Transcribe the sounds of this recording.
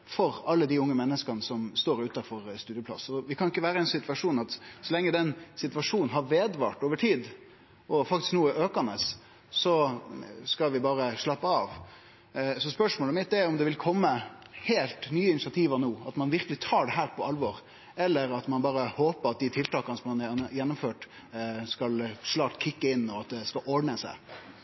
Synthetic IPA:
fɔɾɑlːəd̪ɪʊŋːəmɛnːəskənəsɔmst̪oːɾʉːt̪ɑfɔɾst̪ʉːd̪ɪəplɑ̰sɔʋɪkʰɑnɪkːəʋæːɾəɛɪnsɪt̪ʋɑʂuːnɑt̪sɔlɛŋːəd̪ɛnsɪt̪ʋɑʂuːnnɦɑɾʋeːd̪ʋɑ̰ːʈoːʋəʈʰiːd̪ | ʔɔfɑk̚t̪ɪsknuːəʔøːkɑnəs | sɔ | skɑlʋɪbɑːɾəʂlɑpːəɑːʋ | sɔspœʂmoːləmɪt̪̚ːd̪ɛæɾɔmd̪ɛʋɪlkʰɔmːə | heːlt̪nyːəɪnɪsɪɑt̪ʰiːʋɑnoːɑt̪mɑnʋɪɾkəlɪt̪ʰɑːɖɛɦæːɾpʰɔɑlʋɔɾ | ɛlːəɾɑt̪mɑnbɑːɾəhoːpəɑt̪̚d̪ɪt̪ʰɪlt̪ɑːkɑnəsɔmɑnjɛnːʊmføːʈ | skɑlʂlɑːkt̪kʰɪkːəɪnːɔɑt̪̚d̪ɛskɑlʔɔɖɳəsæ̰ɪ

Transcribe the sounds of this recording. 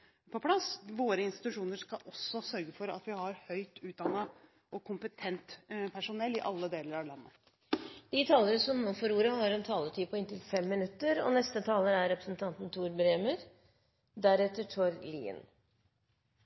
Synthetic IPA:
pʰɔpʰlɑsʋoːɾəɪnst̪ɪ̥t̪ʉʂuːnəʂkɑʔɔsːɔsœɾɡəfɔɾɑ̰t̪ʋɪhɑɾhœʏt̪ʉːt̪̚d̪ɑnːə | ʔɔkʰʊmpət̪ʰɛnt̪pʰæʂʊnɛlːɪʔɑlːəd̪eːləɾɑʋlɑnːə | d̪̥ɪt̪ʰɑːləɾəsɔmnoːfɔɾuːɾəhɑɾɛnt̪ʰɑːlət̪ʰyːpʰɔɪnt̪ɪlfɛmːɪnʉt̪ːəɾɔ̰nɛst̪ət̪ʰɑːləɾæɾɾɛpɾəsnt̪ʰɑnt̪n̩t̪ʰuːɾbɾeːməɾ | d̪æɾɛt̪ːəʈʰoːɾlḭːə̰n

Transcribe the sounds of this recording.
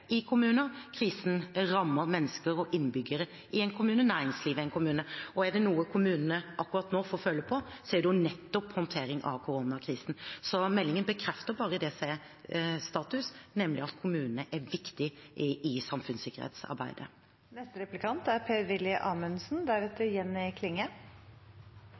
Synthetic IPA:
ɪkʰʊmʉːnəɾkʰɾiːsn̩ɾɑmːəɾmɛnːəskəɾɔʔɪnːbʏɡəɾə | ʔɪɛnkʰʊmʉːnənæːɾɪŋsliːʋɪɛɪnkʰʊmʉːnəɔæd̪ɛnuːəkʰʊmʉːnənəʔɑkːʉɾɑt̪noːfɔːfœlːəpʰɔsɛːɖ̪ɛjʊnɛt̪ːɔphɔnt̪ʰeːɾɪŋʔɑ̰ʋkʰʊɾuːnɑkʰɾiːsn̩sɔmɛlːɪŋənbəkʰɾɛft̪əɾbɑːɾəd̪ɛsæɪ | st̪ɑːt̪ʉsnɛmlɪɑt̪kʰʊmʉːnənəʔæɾʋɪkt̪ɪʔɪɪsɑmfʉnsɪkːəɾhḛːt̪sɑ̰ɾbæ̰ɪd̪ə̰ | nɛst̪əɾɛplɪkʰɑnt̪æɾpʰeːɾʋɪljəʔɑːmʉnsnd̪æɾʉt̪əɾjɛnːɪkʰlɪŋːə

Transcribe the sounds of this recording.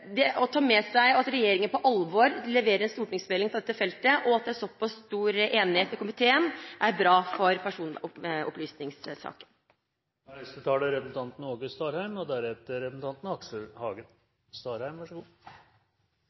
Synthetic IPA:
d̪ɛʔɔt̪ʰɑːɾmɛsæɪɑt̪ɾɛjeːɾɪŋənpɔʔɑlʋɔɾlɛʋeːɾəɾɛnst̪uːʈɳɪŋsmɛlɪŋfɾɑd̪ɛt̪ːəfɛlt̪əʔɔɑt̪̚d̪ɛæsɔpːɑsst̪uːɾʔeːnɪheːt̪mɛkʊmɪt̪ʰeːənʔæɾbɾɑːfɔɾpʰæʂuːnɔ̰plyːsnɪŋssɑ̰ːkə̥n | ɾæst̪ət̪ʰɑːəɾɛpəsn̩t̪ɑnt̪n̩oːɡəst̪ɑːɾhæɪmɔd̪æɾɛt̪əɾɛpsn̩t̪ɑnt̪nɑksəhɑːɡən | st̪ɑːɾhæɪmʋæʂəɡuː

